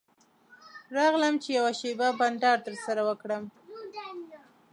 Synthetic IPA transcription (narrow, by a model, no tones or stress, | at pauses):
ɾɑɣləmt͡ʃejawaʃebaband̪ɑɾt̪əɾsaɾawəkɽəm